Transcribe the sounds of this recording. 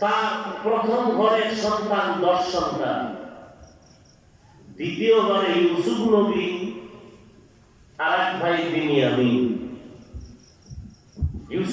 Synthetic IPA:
t̪apɾɔt̪ʰɔmɡʱɔɾeksɔnt̪and̪ɔʃːɔnt̪a̰n | d̪it̪ioɦɔɾejusupʰnobi | aɾakbʰʱajd̪iniamin | jus

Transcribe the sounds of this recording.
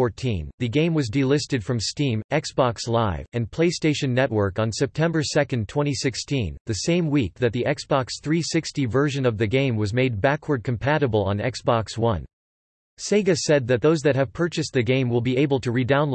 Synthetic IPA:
ɔɹtʰḭ̃nðɨɡẽɪ̃mwʌzdilɪstɨd̥fɹʌ̃mstĩmɛksb̥ɑkslaɪvɨ̃npʰl̥eɪsteɪʃɨ̃nːɛʔ̚wɜ˞kn̩sɛp̚tʰɛ̃mbə˞sɛkɨ̃n̩tʰw̥ɛ̃ɾ̃isɪkstʰĩnðɨsẽɪ̃mwik̚ðɨt̪̚ðiʔɛksb̥ɑksθɹisɪkstivɜ˞ʒɨ̃nʌvðɨɡẽɪ̃mwʌzmeɪd̚bækʰwə˞d̚kʰɨ̃m̩pʰæɾɨbl̩ˠə̰̃nɛ̰ksb̥ɑkswʌ̰̃n | seɪɡɨsɛd̪̚ðɨt̪̚ðoʊzðɨt̚hɨv̥pʰɜ˞t͡ʃɨs̚ðɨɡẽɪ̃mwɪlˠbieɪbl̩ˠtʰɨɹidãʊ̃n

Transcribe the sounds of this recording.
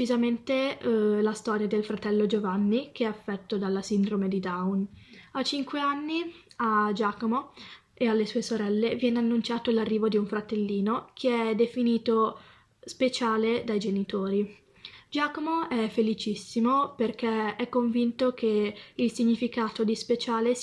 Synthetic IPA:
izament̪elast̪ɔːɾjad̪elfɾat̪ɛlːod͡ʒovanːik̟eɛafːɛt̪ːod̪alːasind̪ɾomed̪id̪awnat͡ʃiŋkweanːiad͡ʒaːkomo | ealːesuːesoɾɛlːevjɛːneanːunt͡ʃaːt̪olarːiːvod̪iuɱfɾat̪elːiːnokʰeɛd̪efiniːt̪o | spet͡ʃaːled̪ajd͡ʒenit̪oːɾi | d͡ʒaːkomoɛfːelit͡ʃisːimoperk̟ɛɛkːoɱvint̪ok̟ʰeilsiɲːifikaːt̪od̪ispet͡ʃaːle

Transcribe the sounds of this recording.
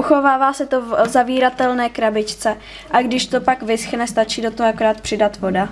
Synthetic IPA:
uxo̞vaːvaːsɛt̪ozaviːɾat̪ɛlnɛːkɾabɪt͡ʃt͡sɛ | ʔaɡdɪʃt̪o̞pakvɪsxnɛst̪at͡ʃiːdot̪oɦoako̞ɾaːt̪̚pr̥ɪdat̪vo̞da

